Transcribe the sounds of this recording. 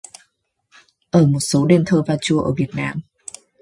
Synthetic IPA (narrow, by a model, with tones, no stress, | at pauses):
ʔəː˧˩mo˨˩t̚so˨˦ɗe˧nt̪ʰəː˧vaː˧˩t͡ɕu˧əʔəː˧˩vi˨˩ət̚naː˧˩m